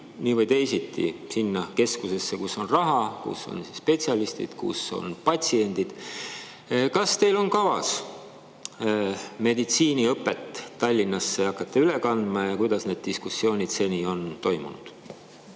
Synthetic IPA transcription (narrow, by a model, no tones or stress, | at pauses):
niːvɤjt̪e̞jsit̪ːˑḭsinːɑke̞skuse̞sːekusːo̞nrɑɦɑkṵsːo̞̰nsispe̞t̪siɑlist̪ḭd̪̥kṵso̞̰npɑtʲsie̞nʲd̪̥id̪̥ | kɑst̪e̞jlo̞nkɑvɑ̰s | me̞d̪it̪siːniɤpˑːe̞t̪ˑːɑlʲːinːɑsːe̞ɑkːˑɑt̪ːˑeylekɑnd̪̥mɑjɑkujd̪̥ɑsne̞d̪̥̚t̪iskusːjo̞ːnʲid̪̥se̞nʲiːo̞nt̪o̞jmṵnṵd̪̥